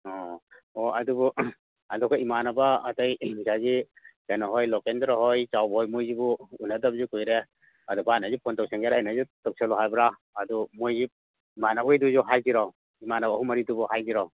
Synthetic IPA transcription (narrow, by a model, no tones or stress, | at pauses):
ɔ | ɔadubu | adɔkʰaimanabaːtajzazi | kanaɦɔjlɔkendɾɔɦɔjt͡ʃawbɔjmojzibuunːadabzukujɾe | ɐdubanazipʰɔntɔwseŋɡaɾaajnazutɔk̚sʰelɔɦajbɾa | adumojzi | imanaɔjduzuɦajdiɾaw | imanabːhumɐɾidubɔhajdiɾaw